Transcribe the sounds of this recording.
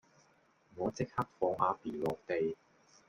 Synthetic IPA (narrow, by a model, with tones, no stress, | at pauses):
ŋɔː˨˧t͡sɪ˥k̚hɐ˥k̚fɔː˧ŋʔa̰ː˨˧piː˨˩lɔː˨˩k̚t̪e˨˧j